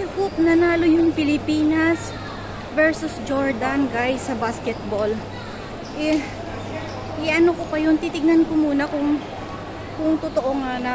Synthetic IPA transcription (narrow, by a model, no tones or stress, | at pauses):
ɛhop̚nɐnaːlojʊŋpɪlɪpiːnɐs | vɛɹsʊsd͡ʒoɹd̪ɐnɡajsɐbaskɛt̪̚bol | ʔɛ | ʔɪʔɐnokopɐjo̞nt̪it̪ɪɡ̚nɐnkomuːnɐkʊŋ | kʊŋt̪ʊt̪oʔoŋanɐ